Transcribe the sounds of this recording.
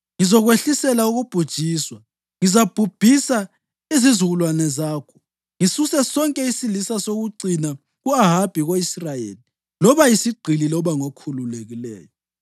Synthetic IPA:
ŋizɔɣweɬisɛlauɣub̥ʱud̥ʒ̥ʱiːswa | ŋizab̥ʱub̥ʱisa | izizuɣulwanɛzaːkʰɔ̥ | ŋisusɛsɔŋkʼɛisilisasoɣuǀina | ɣuaɦab̥ʱiɣoisrajḛːli | lɔβajisiɡ͡ǀʱililɔβaŋokʰululeɣilɛ̰ːjɔ

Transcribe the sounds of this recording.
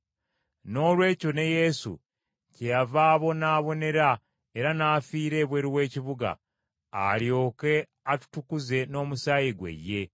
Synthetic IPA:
no̞lwe̞ːco̞ne̞je̞sṵ | cejavaːβo̞naːβo̞ne̞ɾa | e̞ɾanaːfiːɾe̞ːβwe̞ːɾiwe̞ːciβuɡa̰ː | ljo̞ːke̞ | atu̥tukuze̞no̞ːmusaːjiɡwḛjːe̞

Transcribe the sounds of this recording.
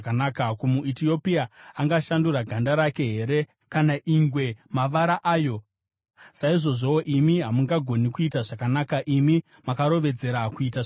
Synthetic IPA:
kanaːkakumuitio̞piaaŋɡaʃanduraɡʱandaɾake̞ɦe̞ɾe̞ | kanaʔiŋɡwe̞maʋaɾaʔaːjo̞ | saiʐo̞ʐo̞oʔimiɦamuŋɡaɡʱo̞nikuitaʐakanakaʔimi | makaɾo̞ʋe̞d͡ze̞ɾakuita

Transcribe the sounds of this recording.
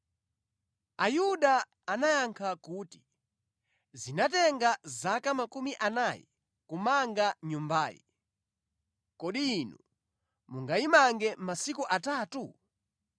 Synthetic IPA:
ajuɗaː | najaŋkʰakuːti̥ | zinatɛŋɡazakamakumiʔanajɛ̰ | kumaŋɡaɲumbaːjɛ̰ | kɔɗiːnu | muŋɡaimaŋɡɛmasikuʔataːtu

